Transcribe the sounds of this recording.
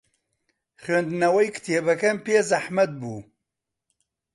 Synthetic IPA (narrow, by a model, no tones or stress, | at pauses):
χɥend̪ɨnɐwɐjkɨ̥t̪ʰeːbɐkɐmpeːzɐħmɐt̪̚buː